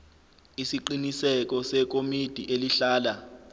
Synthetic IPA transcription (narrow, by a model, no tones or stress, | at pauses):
isiǃinisɛk̬ɔsɛk̬ʼomid̥ʱiʔeliɬaːla